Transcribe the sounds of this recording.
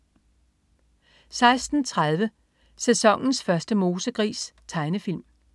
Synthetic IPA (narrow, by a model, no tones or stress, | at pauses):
sɑ̈ɪsd̥n̩t͡sʰʁað̞ˠʋə | sesɒ̽ŋ̰n̩sfɶɐsd̥əmo̝ːsəɡ̥ʁḭːst͡sʰɑ̈ɪnəfilm